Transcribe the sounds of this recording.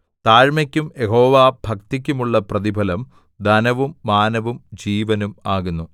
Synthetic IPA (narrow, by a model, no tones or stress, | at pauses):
t̪aːɻmɐkʲːumje̞ɦo̞ːʋaːbʱɐkt̪ik̬ʲːumuɭːɐprɐðibʱɐlɐm | d̪ɐnɐʋumːaːnɐʋumd͡ʑiːʋɐnumaːɣunːu